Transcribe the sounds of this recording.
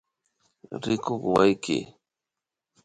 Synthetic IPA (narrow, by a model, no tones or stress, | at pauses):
ɾɪkoχwajkɪ̰